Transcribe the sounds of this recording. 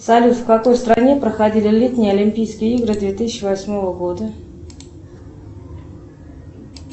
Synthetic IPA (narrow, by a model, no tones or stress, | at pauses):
salʲut̪fkako̞jst̪ɾanʲe̞pɾəxɐdʲilʲɪlʲit̪ʲnʲɪjəɐlʲɪmʲpʲijskʲɪjəiɡɾɨd̪vʲet̪ɨsʲɪt͡ɕːɪvɐsʲmo̞vəɡo̞d̪ə